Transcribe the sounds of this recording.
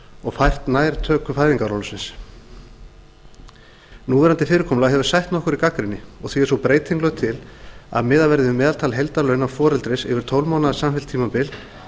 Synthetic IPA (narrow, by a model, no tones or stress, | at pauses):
ɔɣfajr̥t̪naːjɾt̪ʰœːkʏfaːjðiŋkaɾɔwlʏsɪns | nuːvɛɾant̪ɪfɪːɾɪɾkʰɔmlaɦɛvʏɾ̥sajht̪nɔhkʏɾikakɾɪnːɪɔɣθiɛɾsɔwpɾeːjt̪ʰejŋklœɣt̪ʰɪla̰ðmɪːðalvɛɾðɪʏmɛːðalt̪ʰaːlɦejlt̪aɾlœɥnawfɔːɾɛlt̪ɾɪsɪ̰vɪɾ̥t̪ʰowlmawnaðsamfɛlt̪ʰːiːmapɪl